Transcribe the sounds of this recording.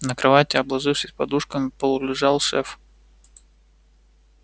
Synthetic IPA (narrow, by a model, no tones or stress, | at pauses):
nəkɾɐvatʲɪɐblˠɐʐɨfsʲɪsʲpɐd̪uʂkəmʲɪpəlˠʊlʲɪʐɑlˠʂɛf